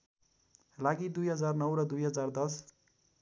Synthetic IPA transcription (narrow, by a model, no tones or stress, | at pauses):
laɡid̪ujɦʌd͡zarnʌwɾʌd̪ujɦʌd͡zard̪ʌs